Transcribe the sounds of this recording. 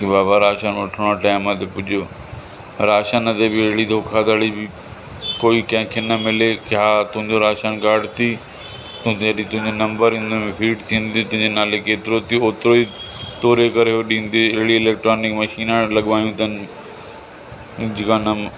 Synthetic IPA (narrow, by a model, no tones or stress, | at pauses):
kibaːbaɾaːʃanʋɐʈʰəɽ̃aʈaːɪmãt̪ʰepʊd͡ʒʱo | ɾaːʃanɐt̪ebɪeɦɽid̪ʱoːkʰad̪ɐɽibɪ | koːiːkɐ̃ɦɪ̃kʰenɐmɪlekaːt̪ʊ̃ɦɪ̃nd͡ʑoɾaːʃanɡaːɽt̪iː | t̪ʊ̃ɐɗĩt̪ʊ̃ɦɪ̃ɲd͡ʑonɐ̃mbəɾĩːnd̪omẽpʰiːʈt̪ʰĩːnd̪it̪ʊ̃ɦɪ̃ɲd͡ʑenaːlekeːt̪ɪɾot̪ʰioːt̪ɾoit̪oːɾekɐɾeɦoɗĩːnd̪eɪɽiɪleːk̚ʈɾaːnɪkmɐʃiːnaːɽ̃lɐɠʋaːjũt̪ənɪ | d͡ʑɪkãnɐ